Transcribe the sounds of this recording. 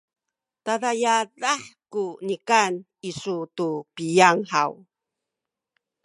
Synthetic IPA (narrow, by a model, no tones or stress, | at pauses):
taðajaɾaħkunikan | isutupijaŋħaw